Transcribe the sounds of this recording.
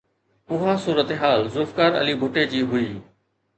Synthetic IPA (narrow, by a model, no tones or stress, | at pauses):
ʊɦãsuːɾət̪eɦaːlzʊlfkaːɾə̰libʱʊʈed͡ʑiːɦʊiː